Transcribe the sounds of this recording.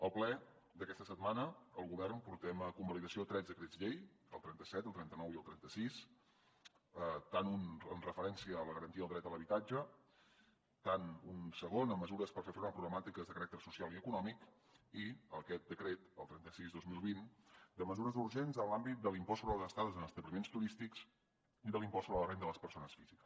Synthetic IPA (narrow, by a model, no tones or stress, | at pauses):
əlˠplɛ | d̪əkɛst̪əsət̪̚manəəlˠɣuβɛrnpuɾt̪ɛməkumbəliðəsiot̪ɾɛzðəkɾezʎej | ə̰lˠt̪ɾɛnt̪əsɛt̪əlˠt̪ɾɛnt̪ənɔwiəlˠt̪ɾɛnt̪əsis | ət̪anunənrəfəɾɛnsiəːləɣəɾənt̪iəlˠd̪ɾɛt̪ələβit̪ad͡ʒə | t̪anunsəɣonəmːəzuɾəspəɾfefɾoɾməpɾuɣləmat̪ikəzðəkəɾak̚t̪əɾsusialˠiəkunɔmik | iəkɛt̪̚d̪əkɾet̪əlˠt̪ɾɛnt̪əsizðozmilˠβind̪əməzuɾəzuɾʒenzənlambit̪̚d̪əlimpɔsoβɾəðlˠzəst̪aðəzənəst̪əβlimenst̪uɾist̪iks | iðəlimpɔsoβɾəlˠrend̪ələspəɾsonəsfiz̥ikə̥s